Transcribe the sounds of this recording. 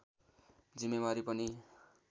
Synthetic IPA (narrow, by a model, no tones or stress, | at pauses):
d͡zimːebaɾipʌni